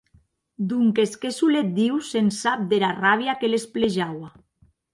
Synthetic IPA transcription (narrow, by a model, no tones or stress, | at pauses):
d̪uŋkeskesulet̪̚d̪iwsensap̚d̪eɾaraβ̞jakelespleʒawa